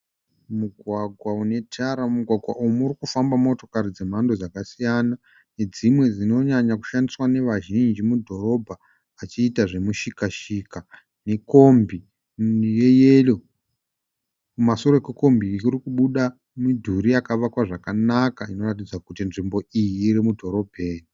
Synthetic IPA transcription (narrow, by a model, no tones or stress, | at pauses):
muɡʱwaɡʱwaune̞tʰaɾamuɡʱwaɡʱwa̰ʔumuɾikufambamo̞to̞kaɾid͡ze̞m̤andod͡zakasijana | ne̞d͡zimwe̞d͡zino̞ɲaɲaku̥ʃandiswane̞ʋaʒind͡ʒimudʱo̞ɾo̞bʱaː | t͡ʃiːtaʐe̞muʃikaʃiːka | ne̞ko̞mbi | jejelo̞ | mumaso̞ɾokuko̞mbiurikuɓuɗa | midʱuɾiakaʋakwaʐakanakaino̞rat̬id͡zakutinʐimbo̞ijiːɾimudʱo̞ɾo̞bʱeːni